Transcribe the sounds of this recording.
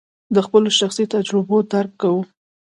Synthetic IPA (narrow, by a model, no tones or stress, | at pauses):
d̪əxpəloʃaxsit̪ad͡ʒɾɪbod̪aɾkːawu